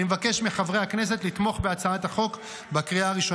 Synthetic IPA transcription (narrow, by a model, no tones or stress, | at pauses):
imevake̞ʃmiχavʁeakne̞s̬e̞tlit̪mo̞χbeat͡saat̪haχo̞k | bakʁiaːʁiʃo